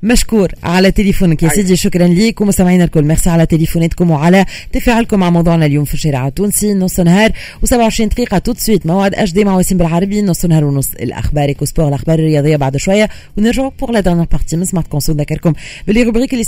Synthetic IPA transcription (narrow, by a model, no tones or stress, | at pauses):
mæʃkuːɾʕalɛt̪elefuːnkjesid̪iʃʊkɾˤɑnliːkwmʊst̪æmʕiːnælkʊlːmɛʁsiʕalæt̪elefonɛːt̪kʊmwʕalæ | t̪ɪfæʕɪlkʊmːaʕmɑwd̪ˤuːʕnæljuːmfiʃɛɾḭʕat̪ːuːnsinːʊsˤnhɑːɾˤ | wsæbʕʊʕəʃɾiːnt̪qiːqɑt̪ʊt̪swiːt̪mæwʕd̪ʔæʃ̬d̪emaʕwɛsiːnbɪlʕɑɾˤɑbinʊsˤːənhɑːɾwnʊsɪ̰lʔæ̰xbɑːɾˤʔekospɔːʁɪlʔaxbɑːɾˤɪrːəjɑːd̪ˤejːabaʕd̪ʃwæjːa | wnɪɾʒʊʕpuʁlæd̪ɛʁnjɛːʁpaʁt̪iːmɪnsmaħt̪̚kõsund̪ækːɑɾkʊmbɪlːiʁubʁiːkɪlːi